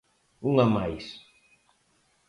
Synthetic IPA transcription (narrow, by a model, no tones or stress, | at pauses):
ulamajs